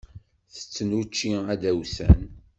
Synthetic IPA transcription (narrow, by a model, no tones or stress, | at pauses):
θə̥t͡sːənut͡ʃːiæd̪æwsæ̰n